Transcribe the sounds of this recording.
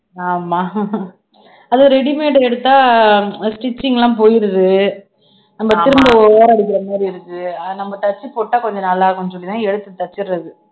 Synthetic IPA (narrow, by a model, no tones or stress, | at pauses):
aːmaː | ɐðoɾɛɽimeːʈɐɛɽɯt̪ːaːsʈɪt͡ʃːɪŋɡɐlãːpoːjɪɾɐðɯ | nɐmːɐt̪ɪɾɯmbɐoːɾaːɽɯk̬ʲːɪɾɐmaːd̪ɾiɪɾɯkːɯɐnɐmːɐt̪ɐt͡ʃːɯpoːʈːaːkɔɲd͡ʒɐnɐlːaːɣɐnɯsɔɭːɪnãːɛɽɯt̪ːɯt̪ːɐt͡ʃːɪɾɐðɯ